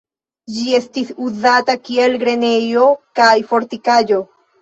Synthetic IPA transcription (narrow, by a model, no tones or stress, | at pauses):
d͡ʒie̞stisuzatakie̞lɡɾe̞ne̞jo̞kajfo̞ɾtikad͡ʒo̞